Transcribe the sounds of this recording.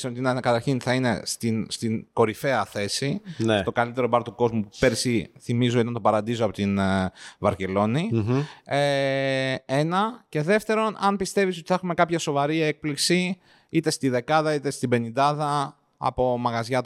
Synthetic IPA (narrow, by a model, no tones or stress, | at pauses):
sot̪inɐkɐt̪ɐɾçinθɐine̞st̪inst̪inko̞ɾife̞ɐθe̞sinst̪o̞kɐlit̪e̞ɾo̞bɐɾt̪uko̞zmupupe̞ɾsiθimizuot̪nɐt̪o̞pɐɾɐnd̪izoɐpo̞t̪invɐɾce̞lo̞ni | e | e̞nɐce̞ðe̞ft̪e̞ɾo̞nɐnpist̪e̞vis̬o̞t̪i̥θɐxume̞kɐpçɐso̞vɐɾie̞k̚pliksi | it̪e̞st̪iðe̞kɐðɐit̪e̞st̪ibe̞nind̪ɐðɐ | ɐ̰po̞mɐɣɐzʝɐt̪